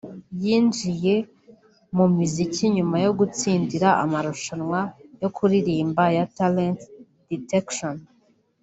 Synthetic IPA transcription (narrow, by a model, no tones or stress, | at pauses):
jiːnd͡ʒije̞ | mumizicʰiɲumajo̞ɡut͡siːndiɾaʔa̰maɾuʃanŋwajo̞kʰuɾiɾiːmbajatalent | d̥itekʃon